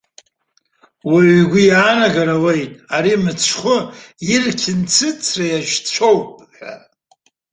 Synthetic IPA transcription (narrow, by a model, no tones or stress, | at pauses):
waɡʷʊjaːnaɡaɾawejtʼaɾimɨt͡sʰχʷʊirkʲʰɪnt͡sʰɨt͡sʰrajaʒt͡ʃʷʰowpʼħʷa̰